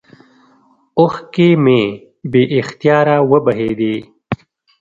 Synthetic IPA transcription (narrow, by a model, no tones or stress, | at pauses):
oxkemẽː | beːʔɪxt̪jaːɾaːwɐbɐɦeːd̪eː